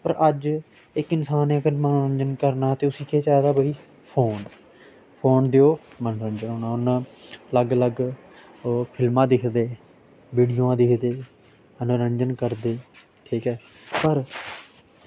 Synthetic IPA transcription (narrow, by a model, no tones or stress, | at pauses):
pəɾʔəd͡ʒ | ɪkɪnsaːnẽɡəɾmənõːɾəɲd͡ʒənkəɾnaːt̪eːʊsiːkʰeːt͡ʃaːd̪aːbəiː | pʰoːn | pʰoːnd̪eoː | mənɾənd͡ʒənɦoːnaːʊnələɡələɡ | pʰɪlmãːd̪ɪkʰd̪eː | ʋiːɖijoːãːd̪ɪkʰd̪eː | ənõːɾəɲd͡ʒənkəɾd̪eː | ʈʰiːkɛː | pəɾ